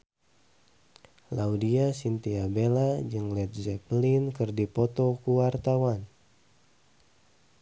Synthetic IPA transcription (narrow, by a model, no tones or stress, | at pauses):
laudiasint̪iabelad͡ʒɨŋlɛt̪̚zɛplinkɨrdipɔt̪ɔkuwart̪awan